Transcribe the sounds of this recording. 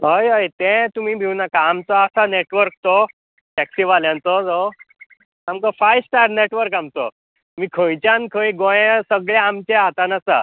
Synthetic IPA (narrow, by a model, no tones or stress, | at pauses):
ɦəjɦəjt̪ɛ̃t̪um̤iːbʱiwnakaamt͡sɔasaneʈʋəɾk̚t̪ɔ | ʈɛksiʋaljãnt͡sɔd͡zo | amkɔfajsʈaɾneʈʋəɾkamt͡sɔ̰ | m̤iːkʰə̃jt͡ɕjankʰə̃jɡõjsəɡɭjaamt͡ɕeat̪anasa̰